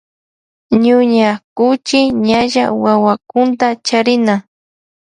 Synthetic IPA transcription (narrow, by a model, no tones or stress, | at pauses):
ɲʊɲakʊt͡ʃɪɲaʒawawakʊnt̪at͡ʃaɾɪna